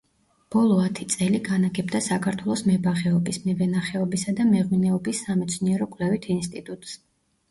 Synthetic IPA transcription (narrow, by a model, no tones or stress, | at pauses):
b̥ɔlˠɔat̪ʰit̪sʼɛliɡanaɡɛbd̪asakʰaɾt̪ʰwɛlˠɔsmɛbaʁɛɔbismɛvɛnaχɛɔbisad̪amɛʁminɛɔbisːamɛt̪sʰniɛɾɔkʼwlɛvit̪ʰinst̪ʼit̪ʼut̪ʼs